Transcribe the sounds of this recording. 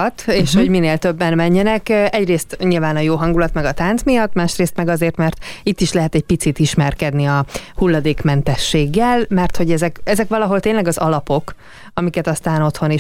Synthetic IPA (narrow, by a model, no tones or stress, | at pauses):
t̪eːʃho̞ɟmineːlt̪ø̞bːɛnmɛɲːɛnɛkɛɟreːst̪ɲilvaːnɒjoːɦɒŋɡulɒt̪mɛɡɒt̪aːnt̪smijɒt̪ːmaːʃreːst̪mɛɡɒzeːrt̪mɛrt̪it̪ːiʃlɛɦɛt̪ɛɟ̚pit̪sit̪iʃmɛrkɛd̪niɒhulːɒd̪eːkmɛnt̪ɛʃːeːɡːɛlmɛrt̪ho̞ɟɛzɛkɛzɛkʋɒlɒɦo̞lt̪eːnlɛɡɒzɒlɒpo̞k | ɒmikɛt̪ɒst̪aːno̞t̪ho̞niʃ